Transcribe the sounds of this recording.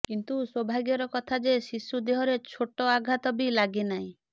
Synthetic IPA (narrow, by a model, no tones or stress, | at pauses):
kint̪uswɔbʱaɡjɔɾɔkɔt̪ʰad͡ʒesisːud̪eɦɔɾet͡ʃʰoʈɔaɡʱat̪ɔbilaɡenaɦĩ